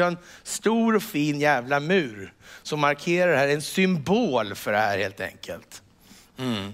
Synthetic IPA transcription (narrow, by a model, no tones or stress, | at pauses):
ɛnst̪uːɾɔfiːnjæːvlamʉ̟ːɾsɔmːaɾkʰeːɾaɾɛhæːɾɛnsʏmboːlfœɖɛhæːɾheːlt̪ɛ̰ŋkʰə̰lt̪ | m̩